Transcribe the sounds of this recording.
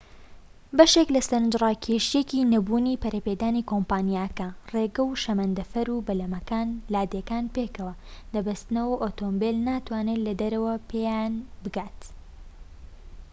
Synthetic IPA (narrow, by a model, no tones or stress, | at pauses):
bɐʃeklɐsɐɾnd͡ʒrˤaːkʰeʃijecinɐbuːnipɐɾɐpeːd̪aːnikoːmpaːnijakɐreːɡɐwʃɐmɐnd̪ɐfɐɾubɐlɐmɐkaːnlaːd̪ekaːnpeːkɐwɐd̪ɐbɐst̪ɨnɐwɐʔot̪ombelnaːt̪waːnelɐd̪ɐɾɐwɐpʰejanbɨɡaːt̪